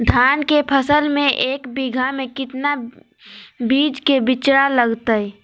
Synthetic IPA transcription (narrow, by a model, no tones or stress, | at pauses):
d̪ʱaːnkepʰəsəlmẽʔeːkbiɡʱamẽkɪt̪na | biːd͡ʒkebɪt͡ʃɽaləɡt̪əɛ